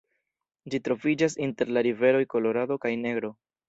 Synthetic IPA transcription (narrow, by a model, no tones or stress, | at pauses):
d͡ʒitɾo̞vid͡ʒas̬inte̞ɾlaɾive̞ɾo̞jko̞lo̞ɾado̞kajne̞ɡɾo̞